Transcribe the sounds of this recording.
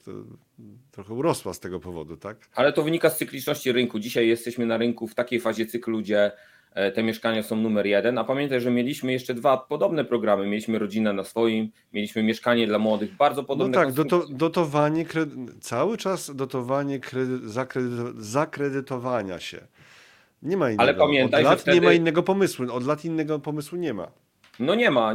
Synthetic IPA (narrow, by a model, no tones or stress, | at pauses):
t̪ɔ̰ | t̪ɾɔxɛuɾɔswa̰st̪ɛɡɔpɔvɔ̰d̪ut̪akalɛt̪ɔvɘɲikast̪sɘklʲit͡ʂnɔɕt͡ɕiɾɘŋkud͡ʑiɕajːɛst̪ɛɕmɘnaɾɘŋkuft̪akʲejfaʑɛt̪sɘklud͡ʑɛ | t̪ɛmʲjɛʂkaɲasɔ̃w̃numɛɾjɛd̪ɛnapamʲjɛnt̪ajʐɛmʲjelʲiɕmɘjɛʂt͡ʂɛd̪vapɔd̪ɔbn̪ɛpɾɔɡɾamɘmʲjelʲiɕmɘɾɔd͡ʑinɛnasfɔjim | mʲjelʲiɕmɘmʲjɛʂkaɲɛd̪lamwɔd̪ɘɣbaɾd̪zɔpɔd̪ɔɔbnɛt̪aɡd̪ɔd̪ɔd̪ɔt̪ɔvaɲɛkɾɛt̪sawɘt͡ʂasd̪ɔt̪ɔvaɲɛkɾɛd̪zakɾɛd̪t̪zakɾɛd̪ɘt̪ɔvaɲa̰ɕɛ̰ | ɲɛmainalɛpamʲjɛnɔt̪ajlatfɲɛɲɛmainːɛɡɔpɔmɘswuɔd̪lat̪inːɛɡɔpɔmɘswuɲɛma̰ | nɔɲɛma